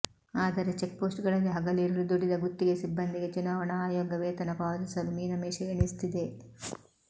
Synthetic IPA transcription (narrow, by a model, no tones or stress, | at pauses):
aːd̪ɐɾe̞t͡ʃek̚poːsʈɡɐɭɐɡeɦɐɡɐliːɾɐɭud̪uɽid̪ɐɡut̪ːiɡe̞sibːɐnd̪iɡe̞t͡ʃunaːʋɐɳaːjoːɡɐʋeːt̪ɐnɐpaːɐd̪isɐlumiːnɐmeːʃɐjɐɳist̪id̪e